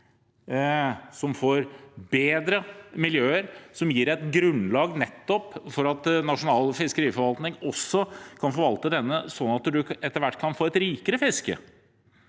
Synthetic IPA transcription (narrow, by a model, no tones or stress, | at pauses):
sɔmfoːɾbeːd̪ɾəmɪljøːəɾsɔmjiːɾɛt̪ɡɾʉnlɑːɡnɛt̪ːɔpfɔɾɑt̪nɑʂʊnɑːlfɪskəɾiːfɔɾʋɑlt̪nɪŋɔsːɔkʰɑnfɔɾʋɑlt̪əd̪ɛnːəsɔnːɑt̪d̪ʉɛt̪ːəɾʋæʈːkʰɑnfoːɛt̪ɾiːkəɾəfɪskə̰